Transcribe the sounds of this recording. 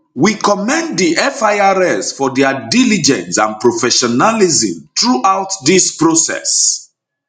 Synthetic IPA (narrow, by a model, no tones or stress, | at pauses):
wikɔmɛ̃ndːiʔɛfaɪaɹɛsfɔdɛadilid͡ʒɛ̰̃nsã̰npɹofɛʃɔnalizḭ̃mtɹuʔawtdispɹosɛ̰s